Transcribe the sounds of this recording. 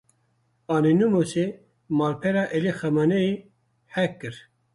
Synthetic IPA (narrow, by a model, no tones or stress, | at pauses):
ɑːnenumose | mɑːlpʰɛɾɑːʔelexɛmanɛi | hɛkːɨɾ